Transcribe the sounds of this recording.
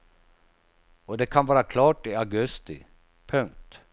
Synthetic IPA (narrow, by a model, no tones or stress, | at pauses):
ɔd̪ɛkʰanvɑːɾakʰlɑːʈɪaɡɵst̪ɪ̰ | pʰɵŋk̚t̪